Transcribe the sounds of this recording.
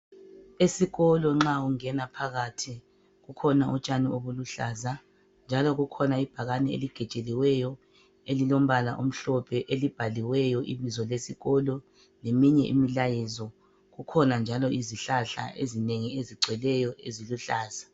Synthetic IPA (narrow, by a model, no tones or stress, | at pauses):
esiɣɔlɔŋ͡ǁauŋɛnapʰaɣatʰi | ɣukʰɔnaʔṵt͡ʃʼanioβuluɬaːza | nd͡ʒʱalɔɣukʰɔnaib̥ʱaɣanɛḛliɡ̥ʱɛt͡ʃʼeliwɛjɔ | elilom̩βalaʔom̩ɬɔpʰɛʔelib̥ʱaliwɛjɔʔiβizɔlesiɣɔlɔ | lemiɲɛʔḭmilajɛzɔ | ɣukʰɔnand͡ʒʱalɔiziɬaɬa̰ʔezineŋieziɡ͡ǀʱɛlɛjɔeziluɬaːza